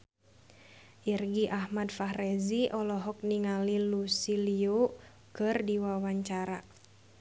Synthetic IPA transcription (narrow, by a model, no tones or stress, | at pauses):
ʔirɡiʔahmadfaɦrɛziʔɔlɔɦɔk̚niŋalilusilio | kɨrdiwawaɲt͡ʃaɾa